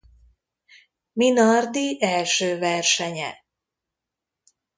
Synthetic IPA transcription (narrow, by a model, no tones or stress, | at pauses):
minɒrd̪iʔɛlʃøːvɛrʃɛɲɛ̰